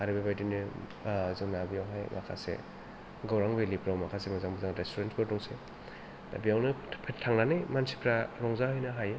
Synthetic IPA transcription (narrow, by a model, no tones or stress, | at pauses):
aɾibabajdinɯ | zɯŋnabijawɦajmʔa̰kʰasḛ | ɡawɾaŋbɯjlipɾawmakʰasemazaŋbɯzaŋɾestʰuɾentkʰɔɾdɔŋse | da̰bijawnɯpʰetʰːaŋnanɯjmansi̥pʰɾaɾɔŋzahɔjnɯɦajɯ